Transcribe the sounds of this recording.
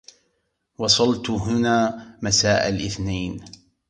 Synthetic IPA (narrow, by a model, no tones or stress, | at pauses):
wɑsˤɑlt̪ɦʊnaːmasaːʔalʔɪθnajn